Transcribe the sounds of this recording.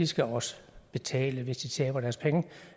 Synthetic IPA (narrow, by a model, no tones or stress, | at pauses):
isɡ̥æɒ̽sə̥b̥e̝t͡sʰɛ̰ːləʋe̝sd̥it͡sʰɛːb̥ɐɾ̥æɐspʰeŋə